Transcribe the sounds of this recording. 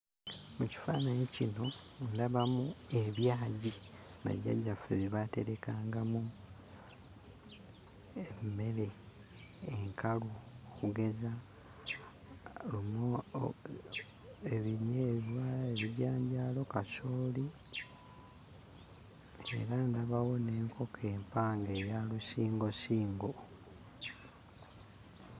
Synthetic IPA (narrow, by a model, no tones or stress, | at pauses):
muci̥faːnaɲicino̞ | ulaβamue̞βjaːɟi | na̰ɟa̰ɟafḛβiβate̞ɾe̞kaːŋɡamu | emme̞le̞ː | ŋkʰaluokuɡe̞za | lumo | eβiɲeːβwaeβiɟaːɲɟaːlo̞kasoːli | ḛɾandaβawo̞ne̞ːŋkʰo̞kʰe̞ːmpaːŋɡe̞ːjalusiːŋɡo̞siːŋɡo̞